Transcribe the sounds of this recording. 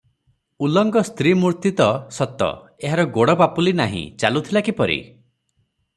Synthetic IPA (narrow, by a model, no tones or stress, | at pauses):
ulɔŋɡɔst̪ɾimuɾt̪it̪ɔsɔt̪ɔ̰ | eɦaɾɔɡoɽɔpapulinaɦḭ̃t͡ʃalut̪ʰilakipɔɾḭ